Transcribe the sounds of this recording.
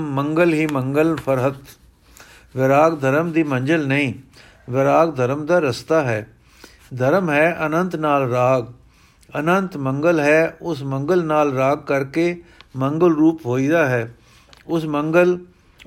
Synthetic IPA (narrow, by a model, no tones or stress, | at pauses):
əŋɡəlɦiːmə̃ŋɡəlpʰəɾɦət̪ | ʋɪɾaːɡd̪ʱəɾəmd̪iːmə̃ɲd͡ʒəlnəĩː | ʋɪɾaːɡd̪ʱəɾəmd̪aːɾəst̪aːɦɛː | d̪ʱəɾmɦɛːʔənə̃nt̪naːlɾaːɡ | ənənt̪mə̃ŋɡəlɦɛːʊsmə̃ŋɡəlnaːlɾaːɡ̚kəɾkeːmə̃ŋɡəlɾuːpɦoːiːd̪aːɦɛː | ʊsməŋɡəl